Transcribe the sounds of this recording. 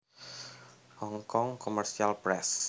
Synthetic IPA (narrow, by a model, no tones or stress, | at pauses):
hɔŋkɔŋkomərsialpɾɛs